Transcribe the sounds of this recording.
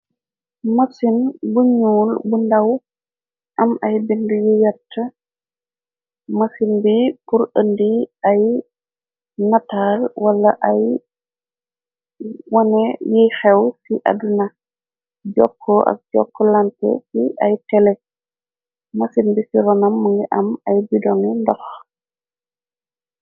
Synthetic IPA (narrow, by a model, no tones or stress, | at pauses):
masinbuɲuːlbundaw | ʔɐmɐjbindujijatːɐ | masinbipuɾəndiaj | nataːlwɐlːɐʔɐj | wɐnɛjixɛwsiʔa̰duna | ɟɔkʰːɔʔɐ̰k̚ɟɔ̰kːɔlantɛ̰siʔajtɛlɛ | masinbisiɾɔnɐmːəŋɡɛʔɐmɐjbidɔŋindɔx